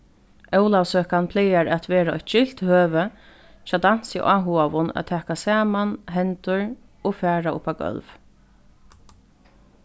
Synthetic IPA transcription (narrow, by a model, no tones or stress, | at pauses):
œwlawsøːkanpʰlɛjaɾɛt̪ʋɛːɾaɔ̰çt̪t͡ʃɪl̥t̪høːvə | t͡ʃaːt̪an̥sḭʔaːɦuaʋʊna̰t̪ʰːɛːkasaːmanɦɛnt̪ʊɹ | ɔfæːɹaʊ̰pawkœ̰lv